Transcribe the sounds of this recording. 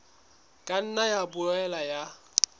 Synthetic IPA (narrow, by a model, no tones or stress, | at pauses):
kʼan̩najabʊɛlaja